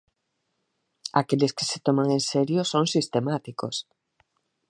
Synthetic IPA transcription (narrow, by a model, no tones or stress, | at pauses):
akelɪske̥se̥t̪omaŋẽnseɾjosoŋsist̪emat̪iko̰s